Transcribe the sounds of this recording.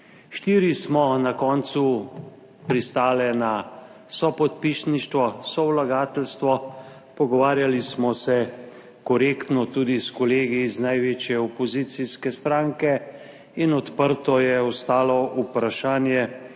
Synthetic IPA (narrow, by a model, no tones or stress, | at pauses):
ʃt̪iːɾismɔnakɔːnt̪su | pɾist̪aːlɛnasɔpɔt̪piʃniʃt̪ʋɔsɔwlaɡaːt̪ɛlst̪ʋɔ | pɔɡɔʋaːɾjalismɔsɛ | kɔɾeːkt̪nɔt̪uːd̪iskɔleːɡiznajʋeːt͡ʃjɛɔpɔzit̪siskɛst̪ɾaːŋkɛ | inɔt̪pəɾt̪ɔjɛɔst̪aːlɔupɾaʃaːnjɛ